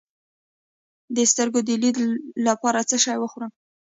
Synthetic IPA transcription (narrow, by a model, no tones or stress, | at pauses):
d̪əst̪əɾɡod̪əlid̪lapɑɾat͡səʃɑjwəxuɾəm